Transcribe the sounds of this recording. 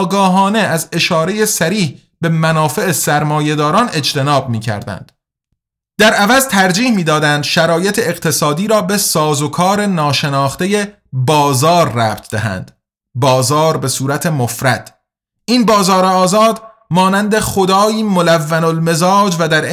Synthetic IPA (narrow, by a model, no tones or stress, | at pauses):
ɡɒːɦɒːne̞æze̞ʃɒːɾe̞je̞sæɾiːh | b̥e̞mænɒːfe̞esæɾmɒːje̞d̪ɒːɾɒːne̞d͡ʒt̪ʰe̞nɒːb̚miːcʰæ̰ɾd̪æ̰nd̪̥ | d̪̥æɾævæzt̪ʰæɾd͡ʒiːhmiːd̪ɒːd̪ænd̪ʃæɾɒːjet̪ʰeːɣt̪ʰe̞sɒːd̪iːɾɒːbesɒːzokʰɒːɾenɒːʃe̞nɒːχt̪e̞je | bɒːzɒːɾːæːbt̪ʰd̪æɦæ̰nd̪̥ | bɒːzɒːɾbe̞suːɾæt̪ʰe̞mofɾæd̪̥ | ʔinbɒːzɒːɾeɒːzɒːd̪ | mɒːnænd̪e̞χo̞d̪ɒːiːmolævːænolme̞zɒːd͡ʒvæd̪æɾ